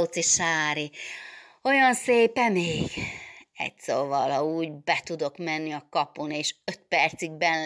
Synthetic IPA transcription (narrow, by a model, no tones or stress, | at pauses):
ut̪siʃaːɾi | o̞jɒnseːpɛmeːɡ̥ɛ̰ɟsoːvɒlhɒuːɟbɛt̪ud̪o̞kmɛnːiɒkɒpuneːʃøt̪̚pɛrt̪siɡ̚bɛn